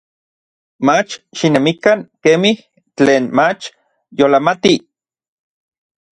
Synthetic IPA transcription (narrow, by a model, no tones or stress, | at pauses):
mat͡ʃʃinemikaŋkemih | t͡ɬeːnmat͡ʃ | jolamat̪i